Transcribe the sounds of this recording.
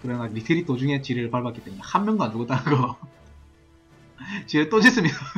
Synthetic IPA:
kɯɾʌnaɾitʰeɾit͈od͡ʑuŋe̞t͡ɕiɾɯɭpaɭbak͈et͈eminehamːjʌnɡanuɡʌt͈anɯnɡʌ | t͡ɕiɾɯɭt͈od͡ʑis͈ɯmɲia

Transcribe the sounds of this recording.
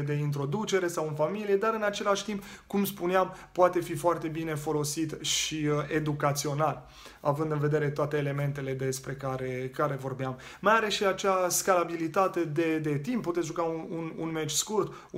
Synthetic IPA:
d̪e̞int̪ɾo̞d̪ut͡ʃe̞ɾe̞sawɨnfamilije̞d̪aɾɨnat͡ʃe̞laʃt̪impkumspuneampoat̪e̞fifoart̪e̞bine̞fo̞lo̞sit̪ʃie̞d̪ukat̪sio̞nal | avɨnd̪ɨnve̞d̪e̞ɾe̞t̪oat̪e̞ːle̞me̞nt̪e̞le̞d̪e̞spɾe̞kaɾe̞kaɾe̞vo̞rbeam | majaɾe̞ʃiat͡ʃaskalabilit̪at̪e̞d̪e̞d̪e̞t̪impːut̪et̪sʲʒuɡaunununmet͡ʃʲskurt̪

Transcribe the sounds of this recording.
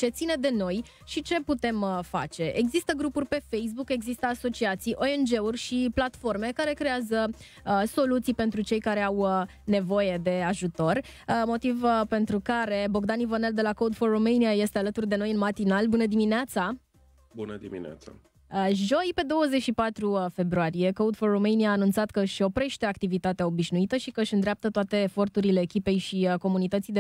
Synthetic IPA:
t͡ʃe̞t̪sine̞d̪e̞no̞j | ʃit͡ʃe̞put̪e̞mfa̰t͡ʃe̞ʔeɡzist̪əɡɾupurʲpe̞fejs̬buke̞ɡzist̪əaso̞t͡ʃiat̪sijʔo̞end͡ʒe̞urʲʃiplat̪fo̞rme̞kaɾe̞kɾe̞azə | əso̞lut̪sijpe̞nt̪ɾut͡ʃe̞jkaɾe̞aw | ne̞vo̞je̞d̪e̞aʒut̪o̞rmo̞t̪ivpe̞nt̪ɾukaɾe̞bo̞ɡd̪anivəneld̪e̞lakowd̪forːomejniaje̞st̪e̞alət̪urd̪e̞no̞jɨnmat̪inalbunəd̪imineat̪sa | bunəd̪imḭn̰a̰t̪sa̰ | əʒo̞jpe̞d̪o̞wəze̞t͡ʃʃipat̪ɾufe̞bɾuaɾije̞kowd̪forːomejniaːnunt̪sat̪kəɨʃʲo̞pɾe̞ʃt̪eak̚t̪ivit̪at̪eao̞biʃnuit̪əʃikəɨʃɨnd̪ɾeap̚t̪ət̪oat̪e̞ːfo̞rt̪uɾile̞ːkʲipe̞jʃiəko̞munit̪ət̪sijd̪e

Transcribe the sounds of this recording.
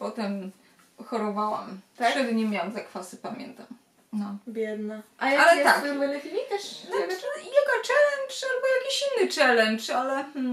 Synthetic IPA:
pɔt̪ɛm | xɔɾɔvawa̰mt̪t̪ɛd̪ɲɛmʲjawamzakfasɘpamʲjɛ̰nt̪am | nɔbʲjɛd̪naʔaaalɛakuɾvɛnɛfʲilʲik̪aʂɔijaɡɔt͡ʂɛlɛnt͡ʂalbɔjakʲiɕinːɘt͡ʂɛlɛnt͡ʂalɛ

